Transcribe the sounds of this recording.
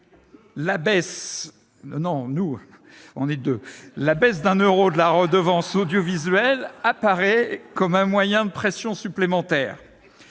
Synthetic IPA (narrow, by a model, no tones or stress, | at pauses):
labɛs | nɔ̃nu | ɔ̰̃nɛd̪ølabɛs̬d̪ɛ̃nøʁod̪əlaʁəd̪əvɑ̃sod̪jɔvizɥɛlapaʁɛkɔmɛ̃mwajɛ̃d̪əpχɛsjɔ̃syplemɑ̃t̪ɛ̰ːʁ